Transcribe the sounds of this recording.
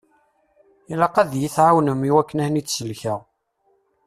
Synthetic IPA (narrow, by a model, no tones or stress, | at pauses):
læqæðjiθʕawnəmiwækːənæhnit͡sːsəlçæʁ